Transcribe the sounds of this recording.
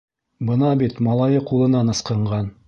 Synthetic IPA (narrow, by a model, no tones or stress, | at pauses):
bɤnɑbit̪mɑlˠɑjɤqulˠɤ̆nɑnɤ̆sqɤ̆ɴʁɑn